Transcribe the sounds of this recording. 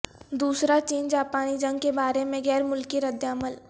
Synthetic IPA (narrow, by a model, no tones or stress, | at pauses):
d̪uːsɾat͡ʃeːnd͡ʒaːpaːnid͡ʒɐ̃ŋɡ̚kebaːɾemẽɡɛːɾmʊlkiɾəd̪jaːməl